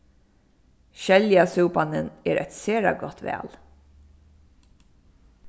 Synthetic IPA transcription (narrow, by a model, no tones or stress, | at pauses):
ʃɛljasuːpanənɛːɾʔɛt̪sɛːɹa̰ɡɔt̪ʋæ̰ːl